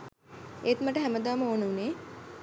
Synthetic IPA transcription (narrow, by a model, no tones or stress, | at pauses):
eːt̪məʈəɦæməd̪aːməoːnuneː